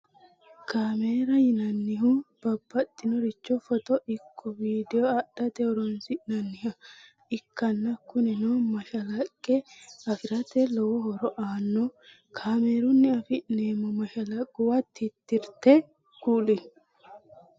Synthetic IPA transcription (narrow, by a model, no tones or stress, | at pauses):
kaːmeːɾɐjɪnɐnːɪɦub̥ɐbːɐt̪ʼːɪnɔɾɪt͡ʃːɔfɔt̪ɔʔɪkʰːɔviːd̪ɛjɔɐɗɐt̪ɛɔɾɔnsɪʔnɐnːɪhɐ | ɪkːɐnːɐkːʊnɛnomɐʃɐlɐkʼːɛɐfɪɾɐt̪ɛlɔwɔhɔɾɔʔaːnːɔ | kʰaːmeːɾʊnːɪɐfɪʔneːmːɔmɐʃɐlɐkʼːʊwɐt̪ːɪt̪ːɪɾt̪ɛ | ɡ̥uːlɪ